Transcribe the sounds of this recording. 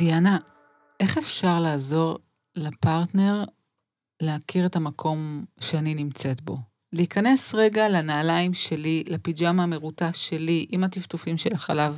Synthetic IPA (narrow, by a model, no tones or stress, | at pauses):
diana | e̞χe̞fʃaʁlaːzo̞ʁ | lapaʁtne̞ʁ | leakiʁe̞tamakʰo̞mʃeaninimt͡se̞tbo̞ | leikane̞sʁe̞ɡalanaːlaimʃe̞lilapid͡ʒamaːmeʁutaʃe̞liʔimatiftufimʃe̞laχalav